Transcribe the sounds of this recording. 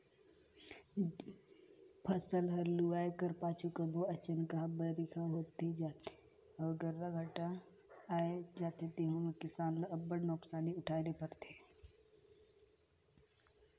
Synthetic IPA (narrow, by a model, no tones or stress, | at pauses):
pʰəsəlɦɐɾluaːekəɾpaːt͡ʃʰukəbʱoɐt͡ʃənkaɦbəɾikʰaɦoːt̪ed͡ʒaːt̪e | ɔɡəɾːaɡʱɐʈa | aːed͡ʒaːt̪et̪eːɦũmẽkɪsaːnləɐbːəɽnɔːksaːniʊʈʰaːɾepəɾt̪ʰeː